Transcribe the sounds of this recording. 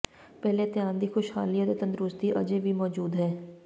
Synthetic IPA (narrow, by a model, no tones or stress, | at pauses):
pɛːleːt̪ɪjaːnd̪iːxʊʃhaːliãt̪eːt̪ə̃nd̪ɾʊst̪iːʔə̰d͡ʒeːʋiːmɔːd͡ʒuːd̪ɦɛː